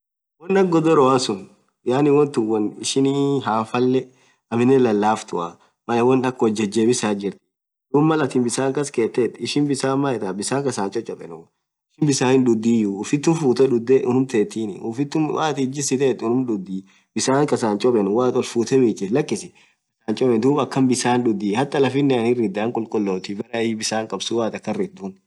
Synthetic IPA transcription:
wɔnːɐɡːɔd̪ɔɾɔasʊn | jaːnɪwɔnt̪ɪwɐnɪʃɪniɦaːfɐlːɛ | ɐmɪnːɛlɐlːaːft̪ʊa̰ | mɐlɛwɔnɐkːɔd͡ʒːɛd͡ʒːeːbɪsaːd͡ʒɪɾt̪ | dʊmːɐlɐt̪ɪmbɪsaːŋkɐskeːt̪ːɛːt̪ːɪʃɪnbɪsaːmɐɛt̪abɪsaːkɐsaːnt͡ʃʼɔt͡ʃʼːɔpʼɛ̰nʊ | ɪʃɪnbɪsaːhɪndʊd̪ːiːjʊʊfɪt̪ːʊfuːt̪ɛᶑʊd̪eʔʊnʊmt̪eːt̪ːiːnɪʊ̰fɪt̪ːʊmwaːt̪ɪd͡ʒɪsɪt̪eːt̪ːʊnʊmᶑʊd̪ːiː | bɪsaːŋkʼɐsaːnt͡ʃʼɔpʼɛnwaːt̪ʼɔlfuːt̪ɛmiːt͡ʃɪlɐkːɪsɪ | bɪsaːnt͡ʃʼɔpɛnd̪uːbɐkːɐnbɪsaːnᶑʊd̪ːiːhɐt̪ʼːɐlɐfɪnːɛɐnɪrːɪd̪aːŋkʼʊlkʼʊlːoːt̪ɪbɐɾɐbɪsaːŋkʼɐbsuwaːt̪ɐkːɐrɪd̪un

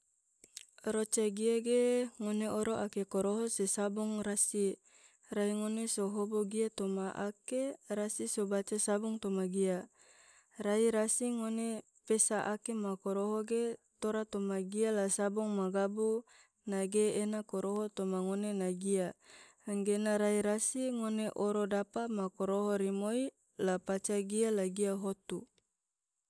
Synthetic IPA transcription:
rot͡ʃaɡiaɡeŋoneoɾoʔakekoɾoɦosesabuŋrasi | raiŋonesoɦoboɡiat̪omaʔa̰keɾasisobat͡ʃasabuŋt̪omaɡia | raiɾasiŋone | pesaʔakemakoɾoɦoɡet̪oɾat̪omaɡialasabuŋmaɡabu | naɡeenakoɾoɦot̪omaŋonenaɡia | ŋɡenaɾaiɾasiŋoneʔoɾodapamakoɾoɦoɾimoi | lapat͡ʃaɡialaɡiaɦot̪u

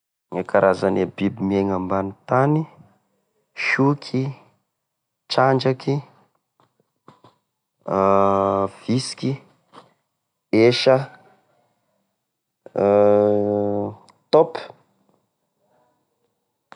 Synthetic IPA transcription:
ŋakaɾʔazanebibimieŋambanit̪ani | ʃukʰi | t͡ʃand͡ʒaki | v̥isi̥ki | eʃə | t̪ɔp

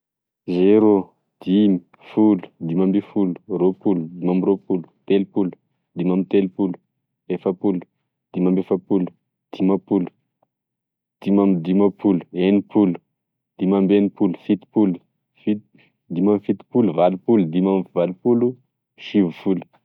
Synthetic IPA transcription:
zeɾo | d̪̥imi̥ | fulu̥d̪imambifulu̥ropulud̪imamropulu̥t̪elipulu̥ | d̪imamit̪elpulu̥ | efəpulu̥ | d̪̥imambefəpulu̥ | d̪̥imapulu̥ | d̪̥imamd̪imapʰulu̥enipulu̥ | d̪̥imambenipulu̥fit̪i̥pulu | fi | d̪imamifit̪i̥puluvalupulud̪imamvalupulu | ʃivufulu̥

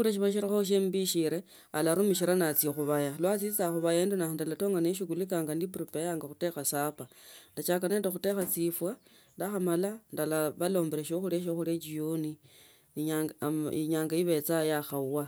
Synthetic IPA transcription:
uɾeʃ̬iβaʃ̬iɾixoʃ̬embiʃiɾe | a̰laɾumiʃ̬iɾanat͡sjexuβajalwat͡sit͡saxuβajeːndunandalatoːŋɡaneʃ̬iɡulikaːŋɡandipuɾipejaːŋɡaxute̞xasapandat͡ʃakanendexute̞xat͡sifwa | ndaxamalandalaβalo̞ːmbeɾeʃ̬oxuɾeʃ̬oxuɾet͡ʃioni | ɲaiɲaːŋɡaiβe̞t͡sajaxauwa

